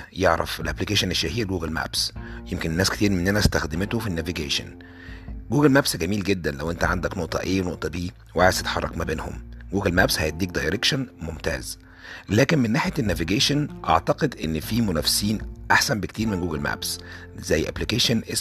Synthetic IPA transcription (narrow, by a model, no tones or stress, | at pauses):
jeʕɾɑ̰felʔæplikeːʃoneʃːæhiːlɡuːɡælmæ̰bsjemkennːæːske̥t̪iːɾmenːʔænæst̪æxd̪emet̪ofinːæviɡeːʃo̰n | ɡuːɡælmæbsɡæmiːlɡed̪ːænlæwʔent̪æʕand̪æknoʔt̪ˤɑ̰ʔeːnoʔt̪ˤɑbiː | wʕajst̪et̪ħɑ̰rˤːɑ̰kmæbeːnho̰mɡuːɡælmæbshæjed̪iːk̚d̪ɑjɾekʃonmomt̪æ̰ːz | læːkenmenːaːħjænːæviɡeːʃonʔɑ̰ʕt̪ɑqed̪ʔenːfiːmonæfsiːnʔaħsæmbekt̪iːɾmenɡuːɡelmæ̰ːbs | zæjːʔæ̰plikeːʃonʔe